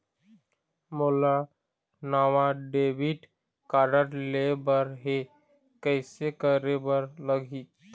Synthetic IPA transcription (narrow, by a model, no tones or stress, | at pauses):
mola | naːʋaɖeːbiʈ | kaɾəʈlebəɾɦe | kəɪsekəɾebəɾləɡʱi